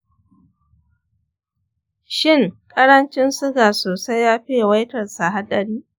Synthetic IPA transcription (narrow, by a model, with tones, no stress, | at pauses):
ʃɪ˦˨ŋkʼɐ˦ɾɐ˦nt͡ʃɪ˦nsʊ˦ɡaː˨soː˨sa˦jːaː˦ɸɪ˦jwa˦jtɐ˨rsa˨ɦa˦dɐ˨ɽiː˦